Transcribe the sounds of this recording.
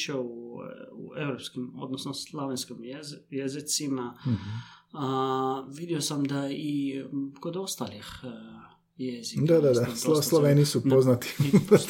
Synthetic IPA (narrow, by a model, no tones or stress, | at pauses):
ʃouuevɾopskimo̰d̪nosnoslˠoʋenskimjezɪt̪sima | aʋid̪iosamd̪aiko̞d̪o̞st̪alix | jezid̪ad̪ad̪asoslˠoʋeːnisupoznat̪i̥